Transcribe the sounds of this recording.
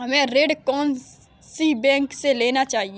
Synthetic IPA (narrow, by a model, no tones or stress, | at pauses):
ɦɐmẽɾeːɖkɔːn | sibɛ̃ːŋkseleːnat͡ʃaːɦi